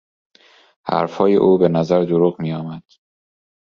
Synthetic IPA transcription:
hæ̰ɾfhɒːjḛʔuːbe̞næzæɾd̪oɾuːɣmiːjɒːmæd̪̥

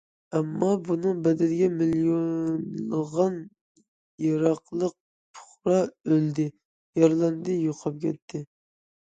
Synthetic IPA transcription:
ɛmːɑbunɨŋbɛd̪ɪlɡʲɛmiljonlˠəʁɑn | jɑɾɑqlˠəq̚ | pʰʊ̥χɾɑøld̪ɪ | jɑɾlˠɑnd̪ɨjoqʰɑp̚kʲʰɛt̪ʰːɪ

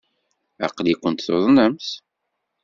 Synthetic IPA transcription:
æ̰qlikʷːənt̪θoðˤnəmθ

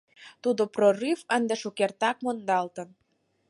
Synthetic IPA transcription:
t̪ud̪oprorɨvənd̪eʃukert̪ɑk̚mond̪ɑlt̪ə̆n

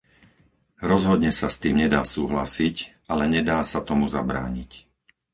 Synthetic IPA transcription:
ɾɔzɦɔd̪ɲɛsast̪iːmɲɛd̪aːsuːɦla̰sicʔalɛɲɛd̪aːsat̪ɔmuza̰bɾa̰ːɲic

